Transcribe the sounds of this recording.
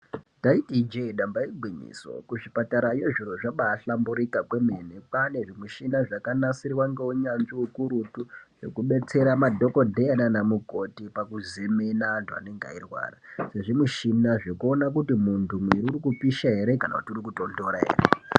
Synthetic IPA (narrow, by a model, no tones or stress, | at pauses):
daitid͡ʒeiɗambaiɡʱwiɲḭːso̰kuʐipataɾaje̞ʐiro̞ʐaɓaːɬambuɾikakwemenepane̞ʐimuʃinaʐakanasiriwaŋɡeuɲanʐiukuɾutuʐe̞̰kuɓe̞t͡se̞ɾamadʱo̞ko̞dʱeananamuɡʱo̞tipakuzimenantʰua̰neŋɡa̰irwa̰ːrase̞ʐimuʃinaʐe̞kuo̞nak̬utimuntʰumwiɾiuɾikupiʃaɦe̞ɾe̞kana̰kutiuɾikuto̞ndoɾaɦḛːrḛ